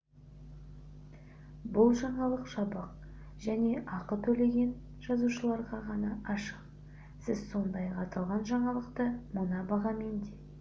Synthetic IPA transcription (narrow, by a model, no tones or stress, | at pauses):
bʊlˠʒɑɴɑlˠəqʒɑbəq̚ | ʒæne̞ʔɑqət̪ʰɵle̞ɡʲe̞n | ʒ̥ɑzuʃəlˠɑɾʁɑʁɑnɑʔɑʃə̥q | sɪzso̞nd̪ɑjɑqɑt̪ɑlˠʁɑnʒɑɴɑlˠəqt̪əmənɑbɑʁɑme̞nd̪e